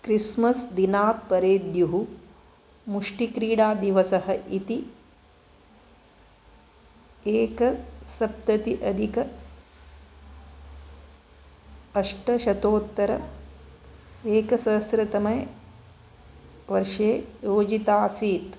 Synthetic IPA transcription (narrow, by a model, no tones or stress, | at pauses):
kɾismɐsd̪inaːt̪̚pɐɾeːd̪juɦu | muʂʈikɾiːɽaːd̪iʋɐsɐɦɐʔit̪i | eːkɐsɐp̚t̪ɐt̪iʔɐd̪ʱikɐ | ɐʂʈɐʃɐt̪oːt̪ːɐɾɐ | eːkɐsɐːsɾɐt̪ɐmɐj | ʋɐɾʂeːjoːd͡ʒit̪aːsiːt̪